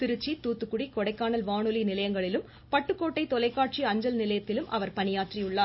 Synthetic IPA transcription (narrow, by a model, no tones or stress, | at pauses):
t̪ɪɾɯt͡ʃːit̪uːt̪ːɯkːʊɽikɔɽɐɪkːaːnɐlʋaːɳɯlinɪlɐjɐŋɡɐɭɪlɯm | pɐʈːɯkːoːʈːɐɪt̪ɔlɐɪkːaːʈ̚t͡ʃiɐɲd͡ʒɐlnɪlɐjɐt̪ːɪlɯmʔɐ̰ʋɐɾpɐnɪjaːʈrijʊɭːaːɾ